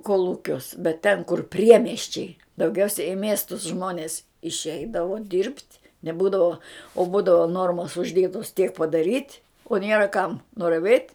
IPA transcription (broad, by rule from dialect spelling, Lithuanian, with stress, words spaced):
koːlˠˈuːkʲuɔs bʲɛt tʲɛn kʊr ˈpʲrʲiɛmʲiɛsʲt͡ʃʲɛɪ dɐʊˈɡʲɛʊsʲɛ ɪ ˈmʲiɛstʊs ˈʒmoːnʲeːs ɪʃʲˈɛɪdɐʋoː dʲɪrʲpʲtʲ nʲɛˈbuːdɐʋoː oː ˈbuːdɐʋoː ˈnoːrmoːs ʊʒʲˈdʲeːtoːs tʲiɛk pɐdɐˈrʲiːtʲ oː ˈnʲeːrɐ kɐm nʊrɐˈʋʲeːtʲ